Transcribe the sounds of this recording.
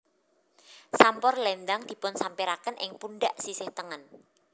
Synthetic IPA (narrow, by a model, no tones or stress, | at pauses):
sampɔrlɛnd̪aŋd̪̥i̤pʊnsampiɾakənʔɪ̰ŋpunɖaʔsisɪht̪əŋən